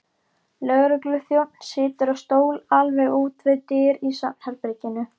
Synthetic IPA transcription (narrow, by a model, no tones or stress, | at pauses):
lœɣɾʏklʏθjowt̪n̥sɪːt̪ɪɾawst̪oːwlalvɛɣuːt̪vɪðt̪ɪːɾisahɛɾpɾɪcɪnʏ